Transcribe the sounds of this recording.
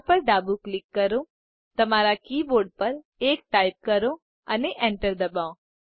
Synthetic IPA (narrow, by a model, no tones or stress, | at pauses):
pəɾd̪aːbuklɪkːɐɾõ | t̪ɐmaːɾakiːboːɾɖ̚pɐɾ | eːk̚ʈaːɪp̚kɐɾõ | ɐneʔɛ̃ɳʈəɾd̪ɐbaːõ